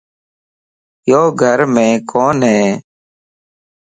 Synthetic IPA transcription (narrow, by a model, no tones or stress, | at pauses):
joːɡʱəɾmẽːkʰoːnɦeː